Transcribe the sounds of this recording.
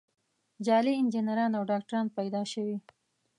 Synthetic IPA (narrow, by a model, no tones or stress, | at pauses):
d͡ʒɑliɪnd͡ʒɪnaɾɑnawɖɑk̚ʈaɾɑnpajd̪ɑʃəwi